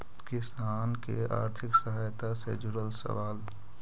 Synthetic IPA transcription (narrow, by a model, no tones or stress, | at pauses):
kɪsaːnkḛa̰ːɾt̪ʰɪksəɦaːjt̪asḛd͡ʒuɾəlsə̰ʋaːl